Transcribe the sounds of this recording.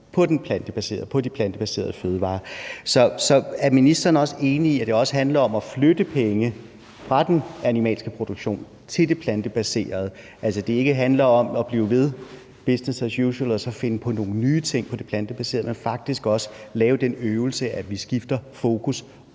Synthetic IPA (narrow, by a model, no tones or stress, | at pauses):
pʰɒ̽d̥enpʰlænd̥əb̥æse̝̰ːɐð̩ˠpʰɒ̽d̥ipʰlænd̥əb̥æse̝̰ːɐð̞ˠføːð̞ˠəʋɑ̰̈ːsɒ̽sɒ̽æɐminisd̥ɐːnɒ̽səe̝ːniiæd̥e̝ɒ̽sə̥ɦænlɐɒ̽mæflød̥əpʰeŋə | fʁɑ̈d̥enænimɛ̰ːlsɡ̥əpʰʁo̝d̥oɡ̥ɕo̝̰ːn | t͡sʰe̝ld̥e̝pʰlænd̥əb̥æse̝̰ːɐð̞ˠ | ʔælsɒd̥e̝e̝ɡ̥əɦænlɐɒ̽mɒb̥lḭːʊʋe̝ð̞ˠ | b̥esnesæsjuɕəlɒ̽sɒ̽fe̝nəpʰɒ̽no̝ːn̩nyːt͡sʰe̝ŋ̰pʰɒ̽d̥e̝pʰlænd̥əb̥æse̝̰ːɐð̩ˠmenfɑ̈ɡ̥̚d̥isɡ̥ɒ̽sə̥lɛːʊd̥enøːʊl̩səʔæʋisɡ̥ifd̥ɐfo̝ːkʰus